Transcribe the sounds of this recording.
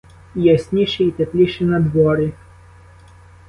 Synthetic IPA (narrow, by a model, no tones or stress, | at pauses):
jɛsʲnʲiʃiit̪epʲlʲiʃɛnɐd̪ʋɔɾɪ